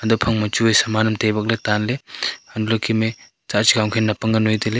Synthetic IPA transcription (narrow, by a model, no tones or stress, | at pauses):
ɐdɔpʰɐŋmɐt͡ʃuejsɐmanɐmtejbɐk̬̚letanleɐndulɐkʰime | t͡ʃat͡ʃikaŋkʰenːɐpɐŋɡɐnojtile